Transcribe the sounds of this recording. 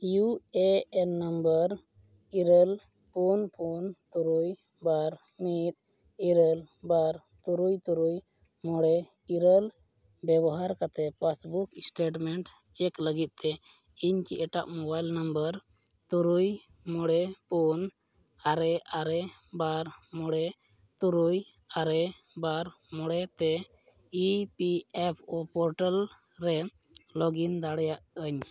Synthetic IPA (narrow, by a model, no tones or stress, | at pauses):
jueɛnːəmbəɾ | iɾəl | punpʰunt̪ɔɾuj | baɾ | mit̪̚ | iɾəl | baɾ | t̪uɾujt̪uɾuj | mɔɽɛ | iɾəl | bɛbɔɦaɾkat̪ɛpasbuksʈeʈmɛɳʈ | t͡ʃɛkləɡit̪̚ˀt̪ɛ | iɲkiʔɛʈa̰ʔmɔbajlnəmbəɾ | t̪uɾuj | mɔɽɛpɔn | aɾɛʔaɾɛ | baɾmɔɽɛ | t̪uɾuj | aɾɛ | baɾ | mɔɽɛt̪ɛ | ipiɛpʰopɔɾʈal | ɾɛ | lɔɡind̪aɽɛjaʔəɲ